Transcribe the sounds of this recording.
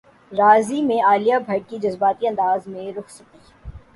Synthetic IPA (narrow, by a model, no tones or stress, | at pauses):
ɾaːzimẽaːlijabʱɐʈ̚kid͡ʒɐzbaːt̪iɐ̃nd̪aːzmẽɾʊkʰsɐkiː